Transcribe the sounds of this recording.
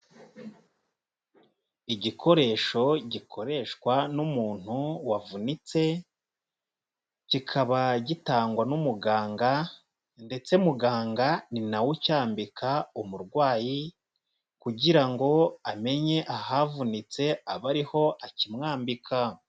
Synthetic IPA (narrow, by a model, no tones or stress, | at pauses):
iɟikʰo̞ɾe̞ːʃo̞ɟikʰo̞ɾe̞ʃkwanumuːn̥huwavunit͡se̞ | cikʰaβaɟitaːŋɡwanumuɡaːŋɡa | nde̞t͡se̞muɡaːŋɡaninawucaːmbikʰaumuɾɡwaːji | kuɟiɾaŋɡo̞ame̞ɲe̞ʔahavunit͡se̞aβaɾiho̞ʔacimŋaːmbikʰa